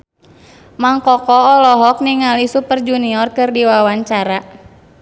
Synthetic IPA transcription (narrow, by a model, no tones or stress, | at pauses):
maŋkɔkɔɔlɔɦɔk̚niŋalisupərd͡ʒuniɔrkɨrdiwawaɲt͡ʃaɾa